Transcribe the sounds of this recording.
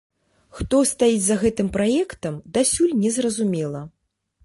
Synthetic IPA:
xt̪ɔst̪ajid͡zʲzɐɣɛt̪ɨmpɾajɛkt̪ɐmd̪asʲulʲnʲɛzrɐzumʲɛlˠɐ

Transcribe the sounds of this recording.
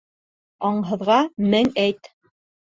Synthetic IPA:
ɑɴɦɤ̆ðʁɑmɘŋæjt̪

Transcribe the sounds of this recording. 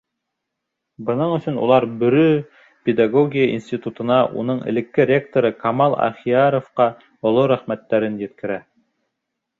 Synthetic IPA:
bɤ̆nɤɴɵ̆sɵnṵlˠɑɾbɵ̆ɾɵ | pʲed̪aɡoɡʲijəʔḭnsʲt̪ʲit̪ut̪ɤ̆nɑʔṵnɤɴɘ̰̆lɘ̆kːɘɾʲek̚t̪oɾɤkɑmɑlˠɑ̰χiɑɾofqɑ | ŏlˠoɾæχmæt̪ːæɾɘnjɘ̆t̪kɘ̆ɾæ

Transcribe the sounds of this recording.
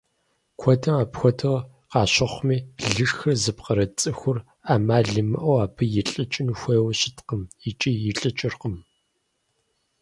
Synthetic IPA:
kʷʰɔtʰɐmaːpxʷɔtʰɨʁ | qɑːɕɐχʷmiːɮɨʂxɐzɨpqɐɾɐt͡sʼɨxʷʊr | aːmaːɮɨmɨ̰ʔɐwaːpʰɨjɪɬʼɨt͡ʃʼɪnuxʷeːwɐɕɪtqəmɪt͡ʃʼiːjɪɬʼɨt͡ʃʼɪrqəm

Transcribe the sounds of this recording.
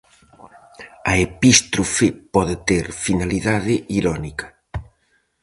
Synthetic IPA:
ɐepist̪ɾufepɔðet̪eɾfinaliðaðɪʔiɾɔnikɐ̥

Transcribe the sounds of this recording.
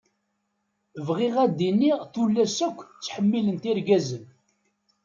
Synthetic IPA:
vʁiʁæd̪inːiʁθulːæsækʷːt͡sːħəmːilənt̪iɾɡæzən

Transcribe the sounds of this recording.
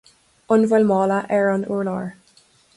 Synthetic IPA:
ʊnvɛlmɑːlaʔɛɹɔnṵɹlɑːɹ

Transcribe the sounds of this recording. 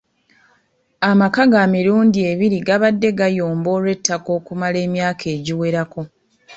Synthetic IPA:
amakaɡamiɾuːndie̞βiɾiɡaβadːe̞ɡajoːmbo̞ːɾwe̞tːako̞ːkumale̞ːmjaːkʰe̞ːɟiwe̞ɾako̞

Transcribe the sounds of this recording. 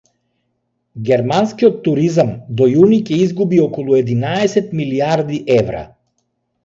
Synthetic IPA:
ɡʲɛɾmanskiɔt̪ːuɾizamd̪ɔjunicɛizɡubiɔkɔlˠuɛd̪inaɛsɛt̪miliaɾd̪iʔɛvɾa̰

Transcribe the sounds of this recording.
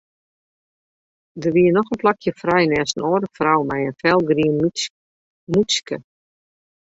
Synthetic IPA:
dərʋiənɔxənplakʰjəfrajnɛsənoːɾəfrɔwmɛjənfɛlˠɡriən | muskə

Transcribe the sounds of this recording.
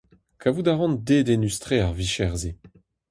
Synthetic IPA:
kʰavud̪aʁɑ̃nd̪ed̪enystχeaʁviʃɛʁze

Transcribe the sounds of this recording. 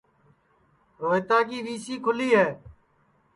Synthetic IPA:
ɾoːɪt̪aːkiːʋiːsiːkʰʊliːɦɛː

